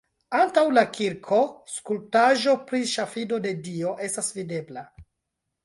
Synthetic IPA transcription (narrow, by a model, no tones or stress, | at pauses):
antawlakʰiɾkʰo̞skultaʒo̞pɾiʃafido̞de̞dio̞ʔe̞stasvide̞bla